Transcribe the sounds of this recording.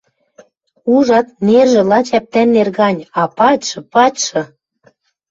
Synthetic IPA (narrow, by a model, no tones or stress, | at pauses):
uʒɑt̪̚nerʒĕlɑt͡ɕæp̚t̪ænːerɣɑnʲɑpɑtʲʃɤ̆pɑtʲʃɤ̆